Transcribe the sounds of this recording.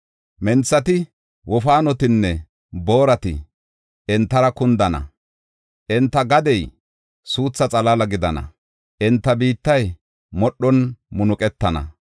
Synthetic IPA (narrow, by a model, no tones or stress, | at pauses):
mɛnt͡sːɐt̪ɪ | wʔɔfaːnɔt̪ɪnːɛ | bo̞ːɾɐt̪ɪ̰ | ʔɪnt̪ːɐɾɐkʊnd̪ɐnɐ̰ | ʔɪnt̪ːɐɡɐd̪ɛj | suːt͡sːɐt͡sʼɐlɐlɐɡɪd̪ɐnɐ̰ | ʔɪnt̪ːɐbiːt̪ːɐj | mɔɗːɔnmʊnʊkʼɛt̪ːɐnɐ̰